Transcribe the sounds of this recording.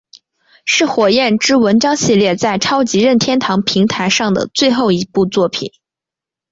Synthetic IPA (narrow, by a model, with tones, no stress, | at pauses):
ʂɻ̩˥˩xwɔ˨˩jɛ˥˩nʈ͡ʂɻ̩˥wə˧˥nʈ͡ʂɑ˥ŋɕi˥˧ljɛ˥˧t͡sa˥˩ɪʈ͡ʂʰɑ˥ʊt͡ɕi˧˥ɻə˥˩nt̪ʰjɛ˥nt̪ʰɑ˧˥ŋpʰi˧˥ŋt̪ʰa˧˥ɪʂɑ˥˩ŋd̪ə̰˩t͡swe˥˧ɪxo˥˩ʊi˧˥pu˥˧t͡swɔ˥˩pʰḭ˨˩n